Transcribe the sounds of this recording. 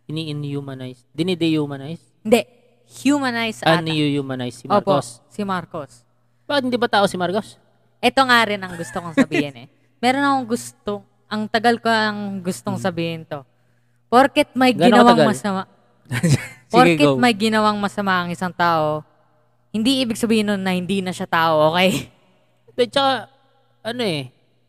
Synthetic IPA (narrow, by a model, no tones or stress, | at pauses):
ɪniʔɪnhjuːmɐnajsd̪ɪnid̪ɛjumɐnajshɪnd̪ɛʔ | hjumɐnajsɐʔaanjujuːmɐnajsːɪoːposɪmaɾko̞s | b̥aːkɪt̪hɪnd̪ibɐt̪aːʔosɪmaɾkos | ʔɛt̪o̞ŋaɾɪnɐŋɡʊst̪okoŋsɐbiːhɪnɛ | mɛːɾonɐkoŋɡʊst̪oŋ | ʔɐŋt̪ɐɡɐlkoɐŋɡʊst̪oŋsɐbiːhɪnt̪o̞ | poɾkɛt̪̚mɐjɡɪnɐwaɡmɐsɐma | poɡɡkɛt̪̚mɐjɡɪnɐwaŋmɐsɐmaʔɐŋʔɪsaŋt̪aːʔo̞ | hɪnd̪iʔiːbɪɡsɐbiːhɪnːonːɐhɪnd̪iːnɐʃat̪aːʔo̞ʔoːkɛj | d̪t͡ʃɐka | ʔɐnoʔɛ